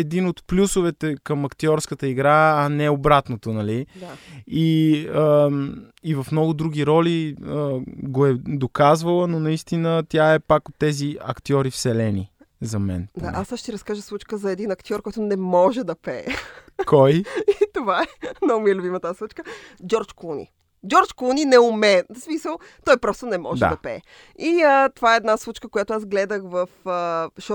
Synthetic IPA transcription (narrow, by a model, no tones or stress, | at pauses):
ɛd̪inot̪plʲusovɛt̪ɛkɐmɐkt̪iɔɾskət̪əiɡɾaɐnɛobɾat̪not̪onɐliaiə | ivɐfmnɔɡʊd̪ɾuɡ̟ʲiɾɔliəɡoɛd̪okazvəlˠənonɐist̪inət̪jaɛpakot̪ːɛziɐ̰kt̪iɔɾifsɛlɛni | zɐmɛ̰nd̪a̰ʔasʃt̪iɾɐskaʒəslˠut͡ʃkəzɐɛd̪inɐkt̪ʲiɔɾkɔjt̪ʊnɛmɔʒɛd̪ɐpɛkɔjit̪ovaɛnɐʊmiɛlʊbimət̪aslˠut͡ʃkəd͡ʒɔɾt͡ʃkunḭ | d͡ʒɔɾt͡ʃkluninɛʊmɛsmisəlˠ | t̪ɔjpɾɔst̪onɛmɔʒɛd̪̰d̪ɐpɛ̰ | iət̪ovaɛɛːd̪naslˠut͡ʃkəkojat̪ʊazɡlɛd̪əxvəfəʃɔ